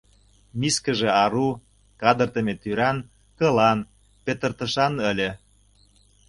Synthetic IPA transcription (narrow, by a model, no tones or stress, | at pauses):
miskə̆ʒĕɑɾu | kɑd̪ə̆rt̪ə̆met̪yɾɑn | kɤ̆lɑn | pet̪ə̆rt̪ə̆ʃɑnə̆lʲĕ